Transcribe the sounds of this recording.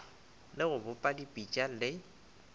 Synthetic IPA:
lɪɣʊbʊpʼadipʼit͡ʃʼalɪ

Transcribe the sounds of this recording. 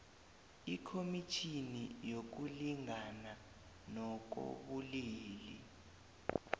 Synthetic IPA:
ikʰomit͡ʃʰinijok̬uliŋʱana | nɔk̬o̰ɓuliːlḭ

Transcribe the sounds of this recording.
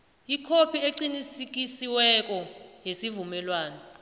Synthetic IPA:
ikʰopʰieǀinisik̬isiwɛk̬ɔjesivumɛlwaːnɔ

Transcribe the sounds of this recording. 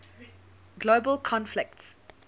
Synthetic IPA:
ɡlobəlˠkʰɔ̃nflɪk̚ts

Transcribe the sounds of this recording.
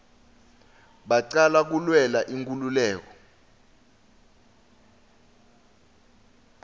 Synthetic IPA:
ɓaǀalak̬ulwɛlaʔiŋkʼululɛːk̬ɔ̥

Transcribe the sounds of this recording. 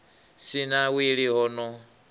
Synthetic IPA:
sinawiɺiɦɔnɔ

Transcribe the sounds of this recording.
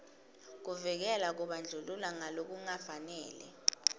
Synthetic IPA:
k̬uvɛk̬ɛlak̬uɓand͡ɮʱululaŋalok̬uŋafanɛ̰ːlɛ̰

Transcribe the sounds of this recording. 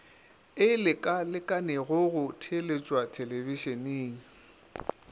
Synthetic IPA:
ɪlɪkʼalɪkʼanɛɣʊɣʊtʰelet͡ʃʼwatʰelebiʃeneːŋ̩

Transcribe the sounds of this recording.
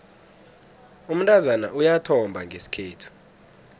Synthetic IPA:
um̩ntʼazana̰ʔujatʰɔmbʱaŋɡʱesi̥kʰeːtʰu̥

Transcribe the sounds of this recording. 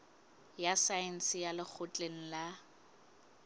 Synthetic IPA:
jasaɛn̩sɪjalɪk͡xʰʊt͡ɬʼeŋ̩la

